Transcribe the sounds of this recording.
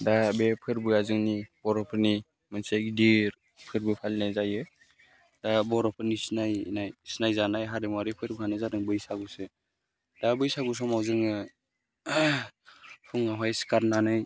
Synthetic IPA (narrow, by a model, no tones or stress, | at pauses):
dabepʰɯɾbɯazɯŋnibɔɾɔpʰɯɾni | mɯnsakdiɾ | pʰɯɾbɯpʰalnazajɯ | dabɔɾɔpʰɯnisnajnajsinajzanajɦaɾɯmaɾipʰɯɾbɯhanɯzaɾɯŋbɯjsaɡusɯ | dabɯjsaɡus̬ɔmawzɯŋɯ | pʰuŋaɦajskaɾnanɯj